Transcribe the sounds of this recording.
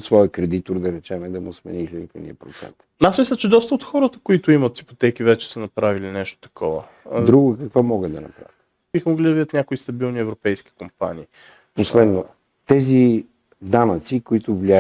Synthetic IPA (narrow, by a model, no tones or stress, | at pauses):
t̪svɔjəkɾɛd̪it̪oɾd̪ɐɾɛt͡ʃɛmɛd̪ɐmʊsmɛ̰niʒɛnit̪ɛ̰nḭəpɾot̪sɛ̰nt̪asmislʲət͡ʃɛd̪ɔst̪əot̪xɔɾət̪əkoit̪ʊimɐt̪sipot̪ɛk̟ivɛt͡ʃɛ̥sənɐpɾavilinɛʃt̪o̥t̪ɐ̥kʰɔvə̰ | d̪ɾuɡʊkɐkvomɔɡəd̪ɐnɐ̰pɾa̰vʲət̪ | b̥ixəmoɡlid̪ɐvd̪ət̪nʲakoist̪ɐbilˠniɛvɾopɛjsk̟i̥kompa̰nḭː | poslɛd̪no | t̪ɛzi | d̪anət̪sikoit̪ʊvlia